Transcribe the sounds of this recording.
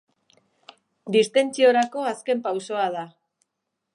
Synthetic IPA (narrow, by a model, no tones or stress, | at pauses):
d̪ist̪e̞nt͡sio̞ɾako̞aske̞mpawso̞að̞a